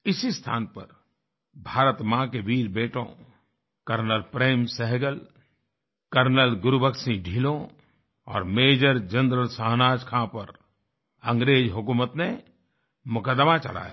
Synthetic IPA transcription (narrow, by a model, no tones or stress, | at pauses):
ɪsist̪ʰa̰ːnpə̰ɾ | bʱaːɾət̪mãkeʋiːɾbeːʈõ̰ | kəɾnəlpɾeːmsɛɦɡəl | kəɾnəlɡʊɾubəksĩɖʱiːlõ | ɔ̰ːɾmeːd͡ʒəɾd͡ʒə̃nd̪ɾəlsaːɦnaːd͡ʒkʰãpəɾ | ə̃ŋɡɾeːd͡ʒɦʊkuːmət̪ne | mʊkəd̪mat͡ʃɐ̰la̰ːja̰